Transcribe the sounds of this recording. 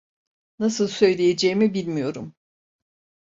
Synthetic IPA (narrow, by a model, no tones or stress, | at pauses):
nasɯlˠsø̞jlʲejed͡ʒɛjimibilʲmijo̞ɾum